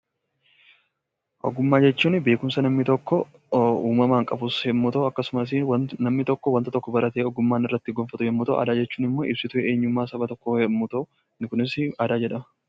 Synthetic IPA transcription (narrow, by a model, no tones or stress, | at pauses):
ʔɔ̰ɡʊmːaːd͡ʒɛt͡ʃːuːnbe̞ːkʊmsɐnɐmnɪt̪ɔkːɔ | uːmɐmaːŋkʼɐbʊshɛmːut̪ɐʊɐkːɐsʊmɐs̬ɪwnɐmnɪt̪ɔkːɔwɐnt̪ɐt̪ɔkːɔbɐɾʔɐt̪eːɔɡʊmːaːnɪrːɐt̪ːɪɡɔnfɐt̪ʊhɛmːʊt̪ɐ̰ʔɐ̰ːd̪aːd͡ʒɛt͡ʃːuːnɪmːoːʔɪbsɪt̪ʊʔɛeːɲːʊmːaːsɐbɐt̪ɔkːohɛmːut̪ɐʊ | nɪkʊnɪsɪaːd̪aːd͡ʒɛᶑɐmɐ